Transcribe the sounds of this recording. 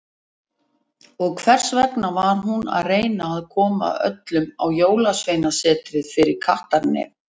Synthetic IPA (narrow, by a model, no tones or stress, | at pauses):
ɔɣkʰvɛr̥svɛk̪navaɾ̥ɦuna̰ðreːjnaːðkʰɔːma̰œ̰t̪lʏma̰wjoːwlasvejnasɛːt̪ɾɪðfɪɾɪɾ̥kʰaht̪aɾnɪ̰